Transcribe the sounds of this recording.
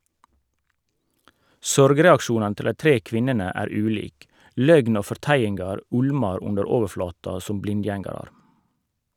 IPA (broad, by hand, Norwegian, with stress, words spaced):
ˈsɔɾɡɾɛɑkˌʃuːnɑnə ˈtɪl ˈdæɪ ˈtɾiː ˈkʋɪnənə ˈæːɾ ˈʉːliːk ˈlœɡn ˈoː fɔʁˈtæjɪnɡɑɾ ˈʊɽmɑɾ ˈʊndəɾ ˈoːʋəɾˌflɑːtɑ ˈsʊm ˈblɪnˌdjɛŋɑɾɑɾ